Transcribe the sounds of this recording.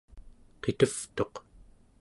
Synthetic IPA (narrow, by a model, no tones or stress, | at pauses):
qet̪əft̪o̞q